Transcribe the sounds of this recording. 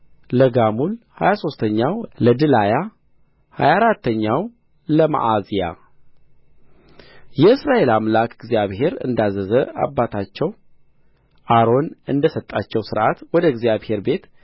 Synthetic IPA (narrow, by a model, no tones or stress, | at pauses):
ləɡamulhajaso̞st̪ʰəɲːawləd̪ɨlaja | ha̰jaɾat̪ːəɲːaw | ləma̰ʔazija̰ | jɛɨsɾaʔe̞lamlakɨɡzjaβhe̞ɾɨ̰nd̪azəzəa̰bːat̪ʰat͡ʃːɛw | ʔaɾo̞nɨnd̪əsət̪ʼːat͡ʃːɛwsɨɾʔat̪wɔd̪əɡzijaβhe̞ɾbe̞t̪